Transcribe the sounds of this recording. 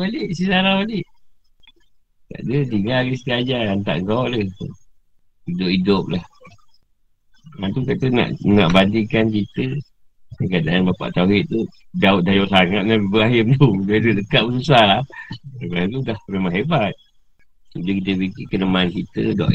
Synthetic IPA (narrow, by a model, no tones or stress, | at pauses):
balɪʔsisaɾabalɪʔ | ka̰ʔdət̪iŋalɡəsət̪iad͡ʒaant̪a̰ʔŋɡaʔləh | idʊpidʊp̚lah | ant̪ukat̪əna̰ʔna̰ʔbandikankit̪ə | kəkadaʔanbapa̰ʔt̪auɦɪt̪̚t̪udaʊt̪̚dajɔʔsaŋat̪̚naibəaɦɪmt̪ubadədəkaʔ̪̚bəsusalahəkat̪udahmemaɦebat̪̚ | udəkit̪əpikikənəmankit̪ə̰dɔ̰ʔ